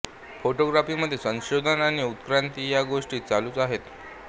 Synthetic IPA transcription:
foʈoɡɾafiːməd̪ʱːjesə̃ŋɕod̪ʱənaɽ̃iut̪kɾant̪ijaɡoʂʈiːt͡saluːt͡saɦet̪

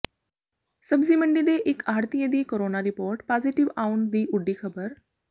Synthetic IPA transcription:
səbd͡ziːm̤əɳɖid̪eʔekaɾt̪ijed̪iːkoɾonaɾipoɾʈpad͡ziʈiʋauɳnd̪iːʔuɖːiːkʰəbəɾ

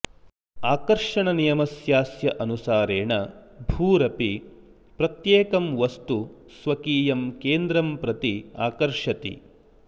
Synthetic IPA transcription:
aːkɐɾʂɐɳɐnijɐmɐsjaːsjɐʔɐnusaːɾeːɳɐbʱuːɾɐpi | pɾɐt̪jeːkɐmʋɐst̪u | sʋɐkiːjɐmkeːnd̪ɾɐmpɾɐt̪iaːkɐɾʂɐt̪ḭ

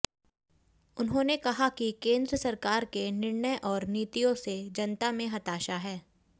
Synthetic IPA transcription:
ʊnɦõnekɐɦakikẽːnd̪ɾəsɐɾkaːɾkenɪɾɳəjʔɔːɾniːt̪ijõsed͡ʒɐnt̪amẽɦɐt̪aːʃaɦɛː

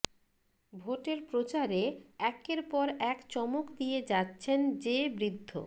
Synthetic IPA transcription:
bʱoʈeɾpɾot͡ɕaɾeɛkeɾpɔɾɛkt͡ɕɔmokd̪ijed͡ʑatːɕʰend͡ʑebɾid̪ʱːo̰

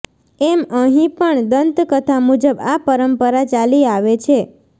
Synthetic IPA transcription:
eməɦĩpəɳd̪ənt̪kət̪ʰamud͡ʒəbapəɾəmpəɾat͡ʃaliaʋet͡ʃʰe

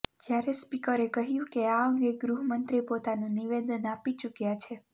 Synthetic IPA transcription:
d͡ʒjaɾespikəɾekəɦjũkeaəŋɡeɡɾuɦmənt̪ɾipot̪anũniʋed̪ənapit͡ʃukjat͡ʃʰe

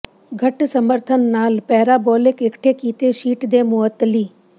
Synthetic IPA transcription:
ɡʱəʈsəməɾt̪ʰənːaːlpɛɦɾaboːlɪkɪkʈʰekiːt̪eʃiːʈd̪eːmʊət̪ːliː

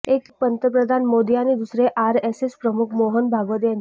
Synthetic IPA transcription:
ekpənt̪əpɾəd̪ʱanmod̪ijanid̪usɾeʔaɾesespɾəmukʰmoɦənbʱaɡʋət̪ejan

